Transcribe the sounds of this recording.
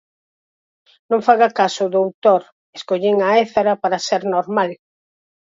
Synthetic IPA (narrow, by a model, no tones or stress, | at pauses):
nõŋfaɣakasʊðowt̪oɾ | eskoʎiŋaɛθaɾɐpaɾɐseɾnoɾmal